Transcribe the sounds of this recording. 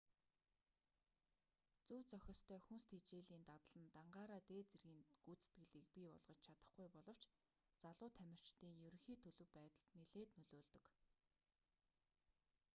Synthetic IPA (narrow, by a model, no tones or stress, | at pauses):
t͡suːt͡sœxʲɞ̆st̪ʰœːxunst̪ʰit͡ɕeːɮiːnt̪at̪ə̆ɮə̆nt̪aɴɢaːɾaːt̪eːt͡serɣiːnɡuːt͡sɘ̥̆t̪ɡɘ̆ɮiːk̚pʲipɔ̰ɮʁɞ̆t͡ɕt͡ɕʰat̪ə̥̆χɡujpɔɮɞ̆w̥t͡ɕ | t͡saɮʊːt̪ʰæmʲɪ̆r̥t͡ɕt̪iːŋjɵɾɵ̆ŋxiːt̪ʰɵɮɵ̆wpæːt̪ə̆ɮt̪neɮeːt̪nɵɮoːɮt̪ɵ̆k